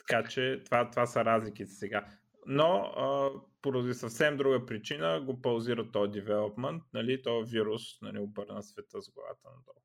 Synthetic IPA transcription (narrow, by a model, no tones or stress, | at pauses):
t̪ɐ̥kat͡ʃɛt̪ovat̪ovasəɾazlik̟it̪ɛ̥sɛɡa | noəpoɾɐd̪isɐfsɛmd̪ɾuɡəpɾit͡ʃinəɡopɐlˠziɾət̪ɔjd̪ɛvɛlˠopmɛnt̪̚nɐlit̪ɔɛviɾusnɐliobɤɾnəsvɛt̪əzɡlɐ̰va̰t̪ənɐd̪ɔ̰lˠ